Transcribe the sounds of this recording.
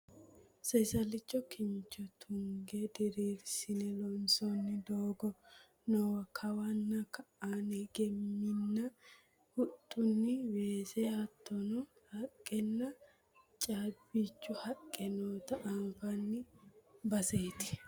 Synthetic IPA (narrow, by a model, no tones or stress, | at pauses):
sɛsɐlɪt͡ʃːɔkɪɲt͡ʃːɔt̪ʰʊŋɡed̪ɪɾiːɾsɪnɛlɔnsɔnːɪd̪oːɡɔ | nɔwɐkʰɐwɐnːɐkɐʔaːneɡɛmːɪnːɐ | hʊt̪ʼːʊnːɪweːsɛɐt̪ʰːɔnɔ | hɐkʼːɛnːɐ | t͡ʃʼaːbit͡ʃːʊhɐkʼːɛnoːt̪ɐʔanfɐnːɪbɐseːt̪ɪ̥